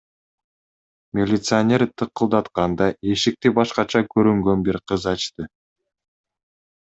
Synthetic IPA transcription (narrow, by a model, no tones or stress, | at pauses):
mʲelʲit̪sɨanʲe̞ɾt̪ʰɯqɯlˠd̪ɑt̪qɑnd̪ɑe̞ʃik̚t̪ibɑʃqɑt͡ʃʰɑkɵɾyŋɡø̞nbiɾqʰɯzɑt͡ʃt̪ɯ